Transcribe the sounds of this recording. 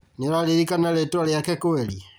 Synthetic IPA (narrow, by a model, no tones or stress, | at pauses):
nilaleɾikanalɛtaleakɛkoɛli